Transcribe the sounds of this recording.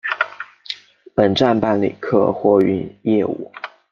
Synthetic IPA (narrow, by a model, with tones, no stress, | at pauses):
pə˨˩nʈ͡ʂa˥˧npa˥˩nlḭ˨˩kʰɤ̰˥˧xwɔ˥˩y˧˥njɛ˥˧ṵ˥˩